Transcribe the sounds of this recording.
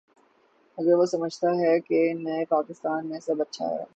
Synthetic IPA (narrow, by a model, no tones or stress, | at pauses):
ɐɡəɾʋosɐməd͡ʒʱt̪aɦɛkenɐepaːkɪst̪aːnmẽsɐbɐtːʃʰa̰ɦɛ̰